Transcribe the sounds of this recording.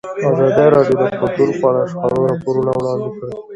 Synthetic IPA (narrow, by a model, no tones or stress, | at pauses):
ɑzɑd̪eɾɑɖjod̪əkʊt̪uɾpɑɽaʂka̰ɾoɾɑpoɾunawɽɑnd̪ekə